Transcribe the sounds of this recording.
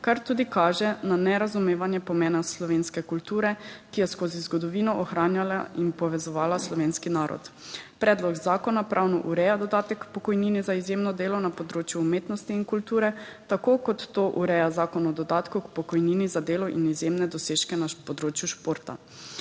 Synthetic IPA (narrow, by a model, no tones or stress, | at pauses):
kaɾt̪uːd̪ikaːʒɛnanɛɾazumeːʋanjɛpɔmɛːnaslɔʋeːnskɛkult̪uːɾɛkijɛskoːzizɡɔd̪ɔʋiːnɔʔɔxɾaːnjalainpɔʋɛzɔʋaːlaslɔʋeːnskinaːɾɔ̰t̪ | pɾɛːd̪lɔɡzaːkɔnapɾʔawnɔʔuɾɛjad̪ɔd̪aːt̪ɛkpɔkɔjniːnizaizjemnɔd̪eːlɔnapɔd̪ɾoːt͡ʃjuːmeːt̪nɔst̪iːnkult̪uːɾɛt̪akoːkɔt̪ːoːʔuɾɛjazaːkɔnɔd̪ɔd̪aːt̪kukpɔkɔjninizad̪eːlɔʔḭnizjemnɛd̪ɔseːʃkɛnapɔd̪ɾoːt͡ʃjuʃpoːɾt̪a̰